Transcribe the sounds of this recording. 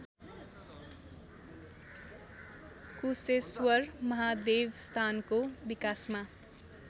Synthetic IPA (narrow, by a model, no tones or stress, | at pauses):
kuseswʌɾmʌɦad̪ewst̪ʰankobikasma